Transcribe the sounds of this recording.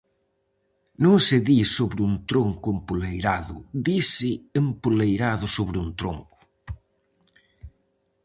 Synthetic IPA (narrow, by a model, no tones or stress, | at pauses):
nõŋsɪðisoβɾɪuŋt̪ɾoŋkʊempulejɾaðʊ̰ðisɪːmpulejɾaðʊsoβɾɪunt̪ɾoŋkʊ̥